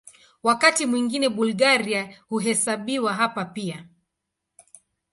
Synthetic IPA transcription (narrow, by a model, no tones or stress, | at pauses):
wakatimwiŋɡinɛɓulɡaɾiahuɦɛsaɓiwaɦapapia